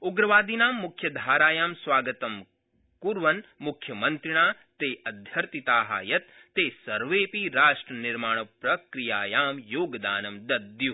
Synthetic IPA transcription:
uɡɾɐʋaːd̪inaːmːukʰjɐd̪ʱaːɾaːjaːmsʋaːɡɐt̪ɐm | kuɾʋɐnmukʰjɐmɐnt̪ɾiɳaː | t̪eːɐd̪ʱjɐɾt̪it̪aːɦɐ̰jɐt̪ːeːsɐɾʋeːpiɾaːʂʈɾɐniɾmaːɳ̃ɐpɾɐkɾijaːjaːmjoːɡd̪aːnɐmd̪ɐd̪ju

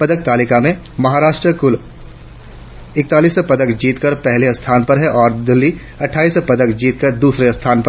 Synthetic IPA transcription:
pɐd̪ək̚t̪aːlɪkamẽ | mɐɦaːɾaːʃʈɾəkʊl | ɪk̚t̪aːliːspɐd̪əkd͡ʒiːt̪kəɾpɛɦleɐst̪ʰaːnpɐɾɦɛʔɔːɾd̪ɪlːi | ɐʈʰːaːiːspɐd̪əkd͡ʒiːt̪̚kəɾd̪uːsɾeɐst̪ʰaːnpəɾ

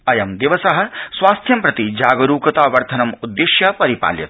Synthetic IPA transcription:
ɐjɐmd̪iʋɐsɐɦɐ̆sʋaːst̪ʰjɐmpɾɐt̪id͡ʒaːɡɐɾuːkɐt̪aːʋɐɾt̪ʰɐnɐmud̪ːeʃjɐpɐɾipa̰ːljɐ̰t̪

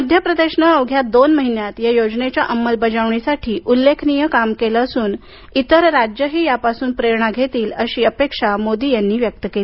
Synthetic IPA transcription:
məd̪ʱjəpɾəd̪eɕɳəəʋɡʱjat̪̚d̪onməɦinjat̪jajod͡znet͡ɕjaʔəmːəlbəd͡ʑaʋɳisaʈʰiːʔulːekʰnijəkamkelaːsuːn | it̪əɾɾad͡ʑjəɦiːjapasuːnpɾeɾɳ̃aɡʱet̪iːləɕiːəpekʂamod̪iːjanːiːʋjək̚t̪əkeli

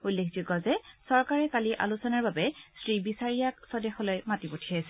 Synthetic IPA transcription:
ulːekʰzʊɡɔzɛsɔɹkaɹɛkaliʔa̰lusɔnaɹbabɛsɹibisaɹijaksɔdɛxɔlɔjmatipotʰiajsɛ

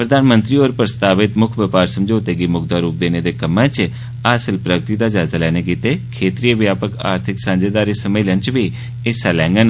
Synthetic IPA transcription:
pɾəd̪aːnmənt̪ɾiːoːɾpɾəst̪aːʋɪt̪mʊkʰʋəpaːɾsəmd͡ʒoːt̪eːɡiːmʊɡd̪aːɾuːp̚d̪eːneːd̪eːkəmãːt͡ʃ | aːsəlpɾəɡt̪iːd̪aːd͡ʒaːzaːlɛːneːkiːt̪eːkʰeːt̪ɾiːʋjaːpəka̰ːɾt̪ʰɪksãːɲd͡ʒeːd̪aːɾeːsəmeːlənt͡ʃʋiː | eːsaːlɛ̃ːŋɡən

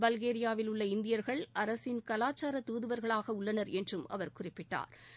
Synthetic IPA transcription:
bɐlɣeːɾɪjaːʋɪlɯɭːɐɪnd̪ɪjɐɾɣɐɭʔɐɾɐsɪnkɐlaːt͡ʃːaːɾɐt̪uːðɯʋɐɾɣɐɭaːɣɐʊɭːɐnɐɾɛndrɯmɐ̰ʋɐɾkʊrɪpːɪʈːa̰ːɾ

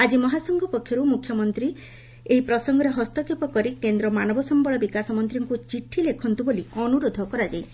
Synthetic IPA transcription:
ad͡ʒimɔɦasɔŋɡɔpɔkʰːjɔɾumukʰːjɔmɔnt̪ɾi | eipɾɔsɔŋɡɔɾeɦɔst̪ɔkʰepɔkɔɾikend̪ɾɔmanɔbɔsɔmbɔɭɔbikasɔmɔnt̪ɾiŋkut͡ʃiʈʰilekʰɔnt̪uboliɔnuɾod̪ʱɔkɔɾad͡ʒajʰi

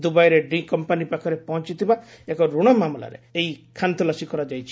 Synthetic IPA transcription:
d̪ubajɔɾeɖĩkɔmpanipakʰɔɾepɔɦɔnt͡ʃit̪ʰiba | ekɔɾuɽ̃ɔmamla̰ɾḛeɦikʰant̪ɔlasikɔɾad͡ʒajt͡ʃʰi̥

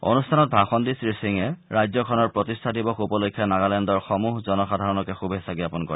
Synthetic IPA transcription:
o̰nustʰanɔt̚bʱaxɔndisɹisiŋɛɹajzɔkʰɔnɔɹpɹotistʰadibɔkupɔlokʰːjanaɡalɛndɔɹxɔmuɦzɔnɔxadʱaɹɔnɔkɛxubʱesaɡiapɔnkɔ̰ɹi

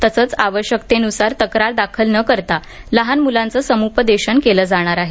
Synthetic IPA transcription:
t̪əsəːt͡saʋəɕjəkt̪enusaɾt̪əkɾaɾd̪akʰəlnəkəɾt̪a | ləɦanmulãnt͡səsəmupəd̪eɕəɳkeləːd͡zaɽ̃aɾaɦe

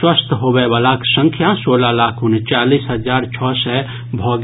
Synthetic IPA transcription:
wəst̪ʰɦobɛbaːlaksə̃ŋkʰjasoːlalaːkʰunt͡ʃaːliːsɦəd͡ʒaːɾt͡ʃʰɔːsɛ | bʱɔːɡ

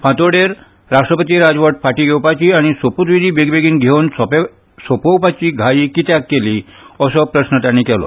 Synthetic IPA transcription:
fʰãt̪oɽeɾ | ɾaʂʈɾəpət̪̬iːɾad͡zʋəʈ̚faʈiːɡewpat͡ɕiaɽ̃isoput̪ʋid̪ʱiːbeɡbeɡiːnɡʱewnsɔp | sopowpat͡ɕiːɡʱaiːkit̪jakːeli | əsɔpɾəsnət̪jañːikɛlɔ̰

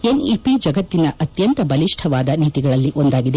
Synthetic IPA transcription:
eːnipid͡ʒɐɡɐt̪ːinɐʔɐt̪jɐnt̪ɐbɐliʂʈʰɐʋaːd̪ɐniːt̪iɡɐɭɐlːiʔond̪aːɡid̪e

